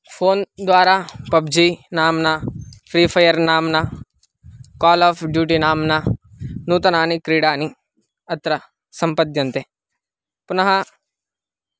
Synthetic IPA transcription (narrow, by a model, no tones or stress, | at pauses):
pʰoːnd̪ʋaːɾaːpɐbd͡ʒinaːmnapʰɾiːpʰɐjɐɾnaːmnɐ | kaːlaːpʰɖjuːʈinaːmnɐ | nuːt̪ɐnaːnikɾiːɽaːni | ɐt̪ɾɐ | sɐmpɐt̪jɐnt̪e | punɐɦɐ